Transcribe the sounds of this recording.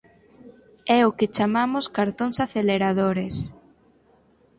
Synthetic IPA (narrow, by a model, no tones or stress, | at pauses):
ɛʊket͡ʃamamʊskaɾt̪oŋsaθeleɾaðoɾes